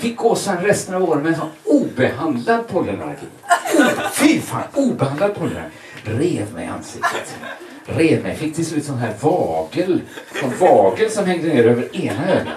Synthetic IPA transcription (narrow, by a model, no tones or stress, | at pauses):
fɪkːoːsanɾɛst̪ənavoːɾənmɛnsɔnuːbɛɦand̪lad̪̚pʰɔlːəna̰ɡ̪ḭ | uːfifa̰uːbɛhand̪lad̪̚pʰɔlːa̰ | ɾeːvmɛ̰jʔa̰nsɪk̪t̪ət̪ | ɾeːvmɛ̰jfɪk̚ːt̪ʰɪlslʉ̟ːt̪sɔnɦæːɾvɑːɡəlsɔnvɑːɡəlsɔmhɛŋd̪əneːɾøːvəɾeːnaøə